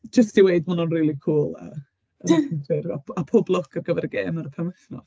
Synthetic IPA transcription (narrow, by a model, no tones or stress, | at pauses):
d͡ʒəstiweɨdmʊnɔnriːlˠikʰuːlˠə̰ | əntɪraapʰoːblˠɔkʰərɡəvɛɾəɡḛːmaɾəpʰɛmɛθnɔ̰